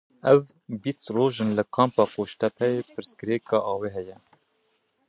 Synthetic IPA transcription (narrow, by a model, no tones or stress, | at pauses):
ɛv | bist̪roːʒɨnlɨkʰɑːmpɑːkoːʃt̪ɛpʰɛjeːpʰɨɾsɡɨɾeːkɑːʔɑːweːɦɛjɛ